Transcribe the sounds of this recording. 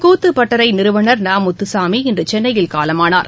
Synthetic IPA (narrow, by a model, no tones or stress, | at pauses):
kuːt̪ːɯpɐʈːɐɾɐɪnɪɾɯʋɐɳɐɾnaːmʊt̪ːɯsaːmiɪndrɯt͡ʃɛnːɐjɪlkaːlɐmaːnaːɾ